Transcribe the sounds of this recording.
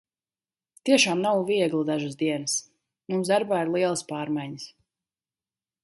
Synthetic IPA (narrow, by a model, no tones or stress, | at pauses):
t̪iɛʃaːmnawviɛɡlˠud̪aʒɨsd̪iɛnəs | mumzd̪aɾbaːiɾlˠiɛlˠəspaːɾmajɲəs